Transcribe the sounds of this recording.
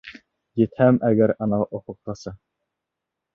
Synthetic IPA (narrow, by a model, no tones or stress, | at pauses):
jet̪hæmæɡʲæɾɑnɑʔoqʰʊq̚t̪ʰɑsɑ